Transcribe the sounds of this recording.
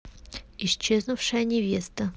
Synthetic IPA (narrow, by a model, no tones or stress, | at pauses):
ɪɕt͡ɕːeznʊfʂəjənʲɪvʲe̞st̪ə